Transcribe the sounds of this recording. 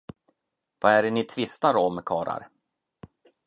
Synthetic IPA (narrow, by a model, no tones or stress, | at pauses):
vaæɖɛnɪt̪ʰvɪst̪aɾɔmkʰɑːɾa̰ɾ